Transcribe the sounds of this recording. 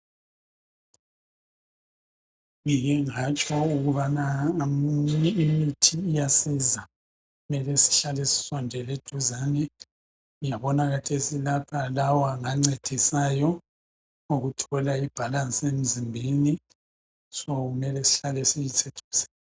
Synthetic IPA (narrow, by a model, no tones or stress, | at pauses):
ŋijɛŋat͡ʃʼɔuɣuβanamɲɛimitʰiːjasiza | ɣumɛlɛsi̥ɬalesi̥sɔndʱɛled̥ʱuzanɛ | ujaβɔnaɣatʰesilapʰalawaŋaŋ͡ǀed̥ʱisaːjɔ | oɣutʰɔlaib̥ʱalansʼem̩zimbʱini | sɔɣumɛlɛsi̥ɬalɛsijit͡sʰed̥ʱuːsɛ̥